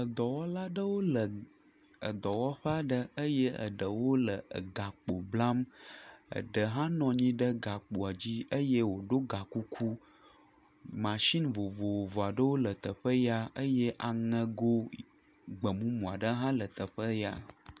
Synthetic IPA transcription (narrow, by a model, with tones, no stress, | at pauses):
ə˨d̪ɔ˨wɔ˦la˦ɖə˦wo˦lə˨ | ə̰˨d̪ɔ˨wɔ˦ɸə˦a˨ɖə˦ə˦je˦ə̰˨ɖə˨wo˦lə˨ɡa˨k͡po˨bla˦m | ə̰˨ɖə˨ɦã˦nɔ̃˨ɲĩ˦ɖə˦ɡa˨k͡po˨a˨d͡ʑi˦ə˦je˦wo˨ɖo˦ɡa˨ku˦kʰu˦ | mã˨ʃi˦nvo˨vo˨wo˨vo˨a˨ɖə˦wo˦lə˨t̪ə˨ɸə˦ja˦ə˦je˦ʔa˨ŋə̃˨ɡo˦ | ɡ͡bə˨mũ˦mũ˨a˨ɖə˦ɦã˦lə˨t̪ə˨ɸə˦ja̰˨